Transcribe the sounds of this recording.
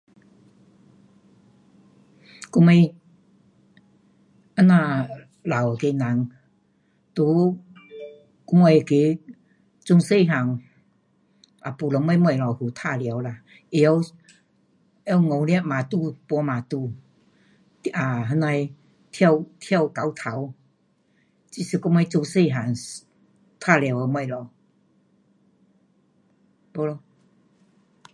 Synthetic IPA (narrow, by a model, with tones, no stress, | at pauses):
ku˧me˧ | a˧˦nã˧ | la˨˩wke˧na˨˦ŋ | t̪u˧˦ | ku˧me˧˩˨ke˨˦ | t͡su˧ŋse˥˧ɦa˨˩ŋ | a˨˩pu˨lɔ˨˦ma˧˦mwa˧˩˨la˨˩whu˨˩t̪ʰa˧˨lja˨˦wla˧ | e˧a˧w | a˧˦wŋɔ˨˧wlja˧mã˨t̪u˥˧pɔ˧mã˨˩t̪u˧ | a˨˧ɦa˧˦na˧j | t̪ʰja˥˧wt̪ʰja˥˧˨wka˨˦wt̪ʰa˨˦w | t͡ɕi˧˨si˧˩ku˧ŋa˧jt͡su˧ŋse˥˧˨ɦa˨˩ŋ | t̪ʰa˥˧lja˨˩wa˧mwa˧jlɔ˨˩ | pɔ˧˦lɔ˧